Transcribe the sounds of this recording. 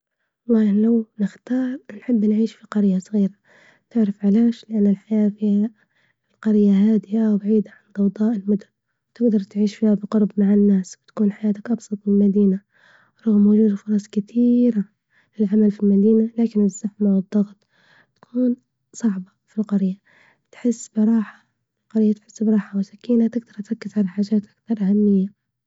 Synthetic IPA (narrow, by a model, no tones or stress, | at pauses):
lˤːɑːhlawnɪxt̪ɑːɾˤnħɪbːnʕiːʃfiqɑɾjːasˤɣiːɾa | t̪ɪʕɾafʕalaːʃlɪʔanːɪlħajaːfiːha | lqɑɾɪjːaɦaːd̪ɪʔawbaʕiːd̪aʕand̪ɑwd̪ˤɑːʔɪlmʊd̪ʊn | wt̪ɪɡd̪ɑɾˤt̪ʕiːʃfiːhabɪqʊɾˤbmaʕɪnːaːsbɪt̪ḁkuːnħajaːt̪akʔɑbsˤɑt̪ˤmɪlmad̪iːna | ɾˤʊɣmʊʒuːd̪fʊɾˤɑsˤkɪt̪ʰiːɾa | lɪlʕamalfilmad̪iːnalaːkɪnɪzːaħmawɨd̪ˤːɑɣt̪ˤ | t̪ḁkʰuːn | sˤɑʕbɑfilqɑɾja | t̪ħɪsːbɪɾˤɑːħḁ | lqɑɾɪjːat̪ħɪsːbɾˤɑːħawɪsakiːnat̪ɪɡd̪ɑɾˤt̪ɾɑkːɪzʕalaħaːʒaːt̪ʔakθɑɾˤʔahamːɪjːa